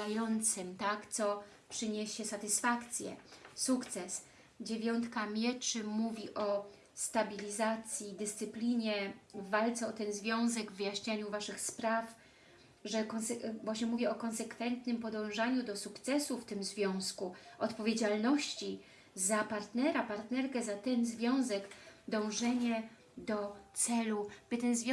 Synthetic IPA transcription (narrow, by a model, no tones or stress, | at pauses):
ajɔnt̪sɘmt̪akt̪sɔ | pʂɘɲeɕɛsat̪ɘsfakt̪sʲjɛ̰sukt̪sɛs | d͡ʑevʲjɔnt̪kamʲjɛt͡ʂɘmuvʲiʔɔ | st̪abʲilʲizat̪sʲjid̪ɘst̪sɘplʲiɲɛvalt̪sɛɔt̪ɛnzvʲjɔ̃w̃zɛɡvːɘjaɕɲaɲuvaʂɘxspɾaf | ʐɛkɔnsɛvwaɕɲɛmuvʲɛɔkɔnsɛkfɛnt̪nɘmpɔd̪ɔ̃w̃ʐaɲud̪ɔsukt̪sɛsuft̪ɘmzvʲjɔ̃w̃skuɔt̪pɔvʲjed͡ʑalnɔɕt͡ɕi | zapaɾt̪nɛɾapaɾt̪nɛɾkɛzat̪ɛnzvʲjɔ̃w̃zɛɡd̪ɔ̃w̃ʐɛɲɛ | d̪ɔt̪sɛlub̥ɘt̪ɛnzvʲj